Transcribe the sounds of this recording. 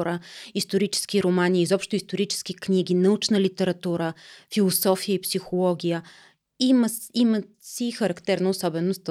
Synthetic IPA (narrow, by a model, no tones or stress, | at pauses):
ɾəist̪oɾit͡ʃɛ̥skiɾomaniːzɔpʃt̪ʊist̪oɾit͡ʃɛ̥sk̟iknʲiɡ̟inɐut͡ʃnəlit̪ɛɾɐt̪uɾəfilˠosɔfijəipsixolˠɔɡʲijə | imimə | sixəɾɐkt̪ɛɾnəʊsɔbɛnost̪